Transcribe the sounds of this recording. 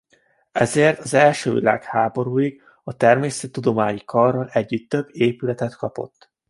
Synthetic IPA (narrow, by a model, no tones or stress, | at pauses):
ɛzeːrt̪ɒzɛlʃø̰ːvḭla̰ːkhaːbo̞ɾuːiɡ | ɒt̪ɛrmeːsɛt̪ːud̪o̞maːɲikʰɒrːɒlɛɟːyt̪ːøbːeːpylɛt̪ɛt̪kɒpo̞̰t̪ː